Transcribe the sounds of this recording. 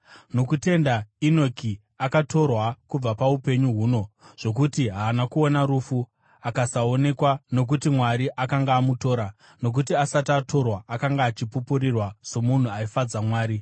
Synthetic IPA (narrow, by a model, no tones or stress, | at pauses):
no̞kute̞ndainokʰi | akato̞rwakub͡vapaupe̞ɲuɦuːno̞ʐ̥o̞k̬utiɦaːnakuonaɾufu | akasaone̞kwano̞k̬utimwaɾiʔakaŋɡaːmuto̞ːɾa | no̞k̬utiasatatʰo̞rwaːkaŋɡaːt͡ʃipupurirwaso̞mun̤uaifad͡zamwaːɾi